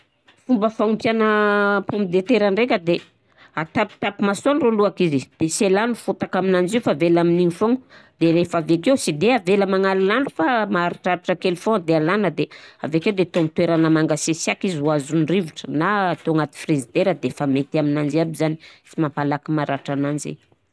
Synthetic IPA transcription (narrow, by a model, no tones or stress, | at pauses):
fumbəfaŋumpjanəpombid̪et̪eɾəɳɖ͡ʐekʲəd̪e | at̪apt̪apimasoanroluakizid̪̥eselanufut̪akaminand͡ʒifavelaminiŋifoŋd̪eɾefavek̬ewsid̪eaveləmaŋalilanufamaaɾiʈ͡ʂaɾiʈ͡ʂakelfoŋd̪ealanəd̪ea̰vekewd̪et̪omt̪weɾanəmaŋɡasesakizuazunriviʈ͡ʂənaːt̪oaŋat̪i̥frizid̪eɾəd̪efamet̪aminand͡ʒiabizani̥t͡simapalakimaɾaʈ͡ʂanand͡ʒḛ